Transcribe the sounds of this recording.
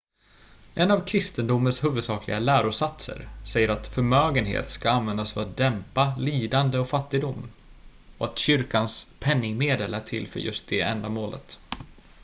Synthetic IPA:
ʔɛnavkʰɾɪst̪ənd̪ʊmːənshʉːvɵd̪sɑːkʰlɪ̰ɡalæːɾʊsat̪sə̰ɾsɛjːəɾat̪fœɾmøːɡənhḛːt̪skaanvɛnd̪asfœat̚d̪ɛmpaliːd̪and̪əɔkfat̪ːɪɡ̚d̪ʊmː | ɔat̪ɕʏɾkanspʰɛnːɪŋmeːd̪əlæʈʰɪ̰lfœ̰ɾjɵ̰st̪̚d̪ɛɛ̰nd̪amoːlʔə̰t̪

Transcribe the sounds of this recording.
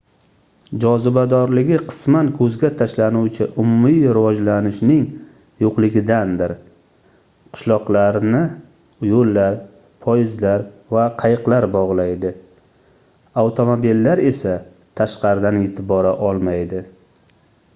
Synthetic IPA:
d͡ʒɒzɪbad̪ɒɾlɪɡʲɪqʰɨ̥smankʰɵzɡʲat̪ʰaʃlanuwt͡ʃʰɪʔʊmʊmijɾɪvɒd͡ʒlanɪʃnɪŋ | joqlˠɪɡʲɪd̪and̪ɪɾ | qʰɨ̥ʃlˠɒqlˠaɾnɪ | jolːaɾ | pʰɒjɪzlaɾvaqʰɑjɨqlaɾbɒʁlˠajd̪ɪ | awt̪ʰo̞mobilːaɾe̞sa | t̪ʰaʃqɑɾɪd̪anet̪ʰɪbɒɾaʔɒlˠmajd̪ɪ

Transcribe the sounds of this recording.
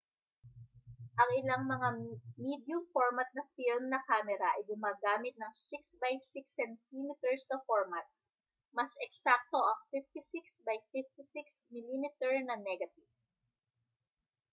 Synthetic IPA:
ʔɐŋʔɪlaŋmɐŋamid̪jʊmfoɹmɐt̪̚nɐfilmnɐkaːmɛɾɐʔɐjɡʊmaːɡaːmɪt̪̚nɐŋsɪksbajsɪksɛnt̪imit̪ɛɹst̪ɐfoɹmɐt̪̚ | mɐsʔɛksak̚t̪oʔɐŋfift̪ɪsiksbɐjfift̪ɪsɪksmɪlimɪt̪ɛɹnɐnɛɡɐt̪iv

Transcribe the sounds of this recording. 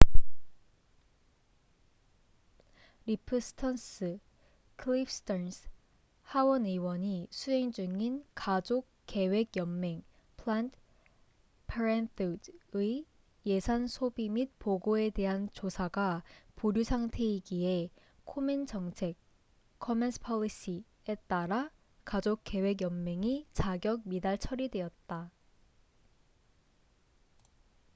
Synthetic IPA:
ɾipʰɯsʰtʰʌns͈ɯ | kʰlipʰstʰʌns | hawʌnɯwʌɲisʰuɦe̞ŋd͡ʑuŋinkad͡ʑok | k͈ːe̞we̞ɡjʌmme̞ŋ | pʰlant | pʰaɾentʰtɯi | je̞sʰansʰobimit̚poɡoe̞de̞ɦant͡ɕosʰaɡapuɾjusʰaŋtʰe̞iɡie̞ | kʰomind͡ʑʌŋt͡ɕʰe̞k̚ | kʰːʌmensʰpʰʌʎiɕ͈i | e̞t͈aɾa | kad͡ʑok͈̚e̞we̞ɡjʌmme̞ŋit͡ɕaɡjʌɡ̚midaɭt͡ɕʰʌɾidwe̞ʌt̚t͈a

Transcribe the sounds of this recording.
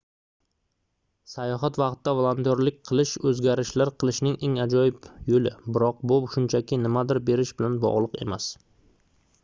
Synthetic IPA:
sajɒɦat̪vɑqt̪ːavolˠant̪jɒɾlɪk̚ʲqʰɨlˠɪʃɵzɡʲaɾɪʃlaɾqʰɨlˠɪʃnɪŋʔeŋad͡ʒɒjɪpjolɪbɪɾɒq̚bʊʃʊnt͡ʃʰakʲɪnɪmad̪ɪɾbe̞ɾɪʃbɪlanbɒ̰ʁlˠɨqe̞̰mas

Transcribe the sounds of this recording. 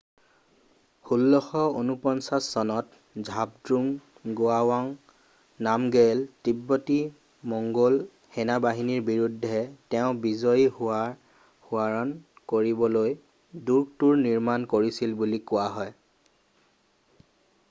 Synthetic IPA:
hulːɔxɔonupɔnsasɔnɔt | zʱabdɹuŋ | ɡoawaŋ | namɡɛltibːɔti | mɔŋɡɔl | hɛnabaɦiniɹbiɹudʱɛtɛʊ̃bizɔjiha | huaɹɔnkoɹibɔloj | duɹɡ̚tuɹniɹmankoɹisilbulikʊaɦɔj

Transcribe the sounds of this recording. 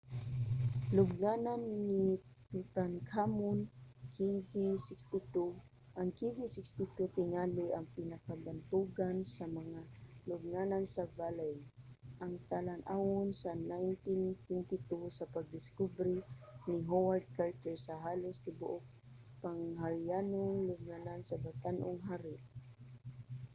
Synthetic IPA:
lʊb̚nananːit̪ʊt̪ankʰamonkʰivisɪkst̪ɪt̪u | ʔɐŋkivɪsɪkst̪ɪt̪ut̪ɪŋalɪʔɐŋpɪnɐkabant̪uɡansɐmɐŋalʊb̚naːnansɐbaːlaj | ʔɐŋt̪alanʔawʊnsɐnajnt̪ɪnt̪wɛnt̪ɪt̪usɐpaɡ̚d̪ɪskubɾɪnɪɦowaɹd̪̚kaɹt̪ɛɹsɐɦaːlosnɪbʊʔok̚ | paŋhaɹjaːnoŋlʊɡ̚nanansɐbat̪anʔʊŋɦaːɾɪʔ

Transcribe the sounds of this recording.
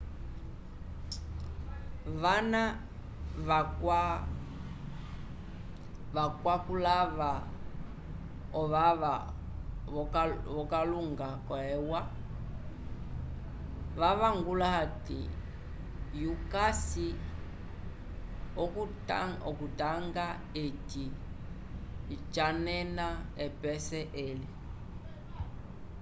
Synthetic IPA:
vana | vaka | vakwakulava | ɔβaβa | βɔkaluŋɡakɔɛwa | ʋaβaŋɡulaɦatḭ | jukasi | ɔ | ɔkutaŋɡa | eti | t͡ʃanɛnaɛpɛsɛʔeli

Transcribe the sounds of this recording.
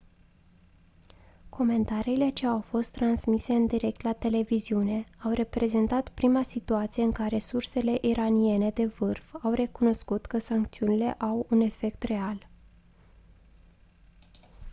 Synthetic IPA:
kʰo̞me̞nt̪aɾiːle̞t͡ʃe̞awfo̞st̪ːɾansmise̞ɨnd̪iɾe̞k̚t̪lat̪e̞le̞viziune̞awre̞pɾe̞ze̞nt̪at̪pɾimasit̪uat̪sije̞ɨŋkaɾe̞surse̞le̞ʔiɾanie̞ne̞d̪e̞vɨrfawre̞kuno̞skut̪kəsaŋk̚t̪siunile̞̰ʔawune̞fe̞kt̪re̞al

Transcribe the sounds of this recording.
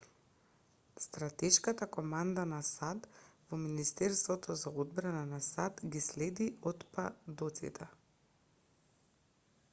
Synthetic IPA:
st̪ɾat̪ɛʃkat̪akɔmand̪anasat̪vominist̪ɛɾst̪vɔt̪ʰɔzaod̪bɾananasat̪ɡislɛd̪iɔt̪pad̪ot̪sḭt̪ʰɛ

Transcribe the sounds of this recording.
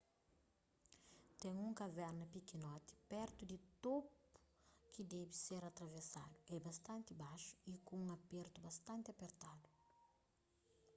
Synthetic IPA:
t̪ɛ̃ɲũŋkɐvɛɾnɐpikinɔt̪i̥pɛɾt̪ud̪it̪opu̥ | kid̪ɛbiseɾɐt̪ɾɐvesad̪uɛbɐst̪ɐ̃nt̪ibaʃu̥ikõũŋɐpeɾt̪ubɐst̪ɐ̃nt̪ɐpeɾt̪ad̪u

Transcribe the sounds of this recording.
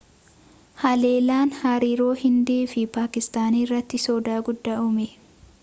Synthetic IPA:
hɐle̞ːlaːnhɐɾiːɾo̞ːhɪnd̪eːfɪpaːkɪst̪aːniːrːɐt̪ːɪsɔːd̪aːɡʊd̪ːaʔʊmɛ

